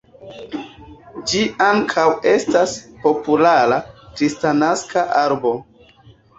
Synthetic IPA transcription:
d͡ʒiaŋkʰawe̞staspo̞pulaɾakɾistanaskaʔaɾbo̞

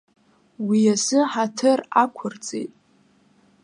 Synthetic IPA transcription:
wijasɨħatʰɨra̰kʷʰʊrt͡sʼḛjtʼ

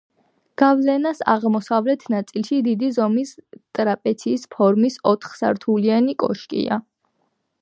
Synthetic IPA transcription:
ɡ̥avlɛnasa̰ʁmɔsavlɛt̪ʰnat̪sʼilˠʃid̪id̪izɔmist̪ʼɾapʼɛt̪sʰiːspʰɔɾmisɔt̪ʰχsa̰ɾt̪ʰulianikʼɔ̰ʃkʼḭa

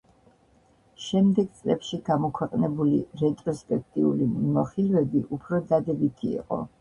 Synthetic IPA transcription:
ʃɛmd̪ɛɡt̪sʼlɛpʃiɡamɔkʰwɛqʼnɛbuliɾɛt̪ʼɾɔspʼɛk̚ʰt̪ʼiṵlimmɔχilvɛbiʔupʰɾɔd̪ad̪ɛbit̪ʰḭːqʼɔ̰

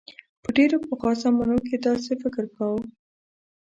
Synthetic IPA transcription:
pəɖeɾopəxɑsamanok̬ed̪ɑs̬efɪkɪɾkawə

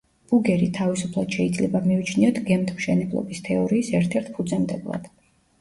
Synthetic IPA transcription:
b̥uɡɛɾit̪ʰavisupʰlˠad̪̥ʃɛid̪zlɛbamiut͡ʃʰniɔt̪ʰɡɛmt̪ʰmʃɛnɛblˠɔ̰bist̪ʰɛɔɾiːsɛɾt̪ʰɛɾt̪ʰpʰud̪zɛmd̪ɛblˠa̰d̪̥

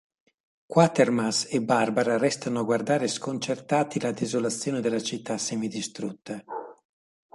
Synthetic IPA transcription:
kwat̪ermasebarbaɾaɾɛst̪anoaɡward̪aːɾeskont͡ʃert̪aːt̪ilad̪ezolat̪sːjoːned̪elːat͡ʃit̪ʰːasːɛmid̪ist̪ɾut̪ːa

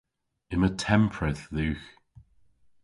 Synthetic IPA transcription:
ɪnətʰɛ̃mpʰɹɛθðʉːx

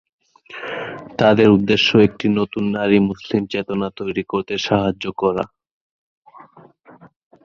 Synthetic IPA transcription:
t̪ad̪eɾud̪ːeʃːoek̚ʈinot̪unːaɾimuslimt͡ɕet̪onat̪ojɾikoɾt̪eʃaɦad͡ʑːokɔɾa̰

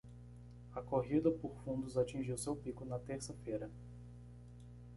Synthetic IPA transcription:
ɐkoɦid̪ɐpoɾfũnd̪ʊzat͡ʃĩʒiwsewpikʊnɐt̪eɾsɐfejɾɐ

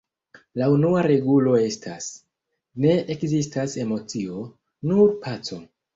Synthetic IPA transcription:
launuaɾe̞ɡulo̞e̞stʰas | ne̞ʔekzistase̞mo̞t͡sio̞ | nuɾpʰat͡so̞

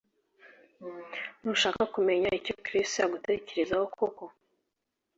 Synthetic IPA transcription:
nuʃaːkakume̞ɲaico̞kɾistojaɡute̞ːce̞ɾe̞zahokʰoko

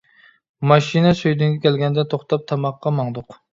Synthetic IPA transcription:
mɑʃinɛsøjd̪yŋɡʲɛkʲɛlɡʲɛnd̪ɛt̪ʰoχt̪ɑp̚t̪ʰɑmɑqʰːɑmɑŋd̪ʊq

